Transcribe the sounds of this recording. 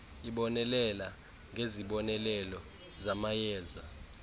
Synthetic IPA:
iɓɔnɛlɛla | ŋɡʱeziɓɔnɛlɛlɔ | zamajɛːza

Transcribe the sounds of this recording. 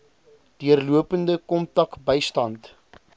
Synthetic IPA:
d̥iərluəpəndəkɔmtɐkbəjstɐnt

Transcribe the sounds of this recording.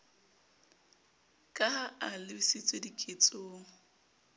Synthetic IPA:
kʼaɦaalɪbisɪt͡sʼedikʼet͡sʼoːŋ̩

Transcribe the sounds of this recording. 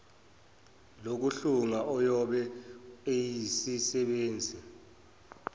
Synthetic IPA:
lok̬uɬuŋaʔɔjɔɓɛejisisɛɓeːnd͡zʱi

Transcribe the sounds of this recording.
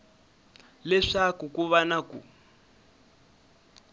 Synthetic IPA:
lɛʂakukuβanakṵ

